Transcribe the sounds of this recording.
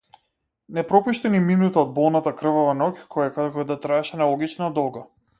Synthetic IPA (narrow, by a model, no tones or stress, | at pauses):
nɛpɾɔpuʃt̪ɛniminut̪aɔd̪̚bɔlˠnat̪akr̩vɔvanɔkʲkɔjakad̪ɛkɔd̪at̪ɾaɛʃɛnalˠɔɡit͡ʃnad̪ɔlˠɡa